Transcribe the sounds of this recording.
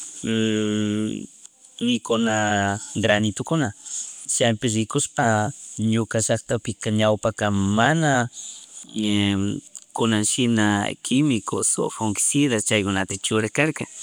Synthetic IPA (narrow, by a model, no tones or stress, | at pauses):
nɪkʊnaɡɾanɪt̪ʊkʊnat͡ʃampɪs̬ɾɪkʊʃpaɲʊkaʃakt̪apɪkaɲawpakamana | kʊnaŋʃɪnakʰɪmɪkoso̰xoŋkɪ̥sɪðat͡ʃajkʊnat̪at͡ʃʊɾakaɾka